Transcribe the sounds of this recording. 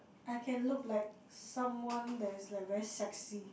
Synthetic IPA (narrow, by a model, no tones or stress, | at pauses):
aɪkʰɛ̃nlʊklaɪk̚ | sʌ̃mwɔ̃ndæɾɪzlakɹɛsaksi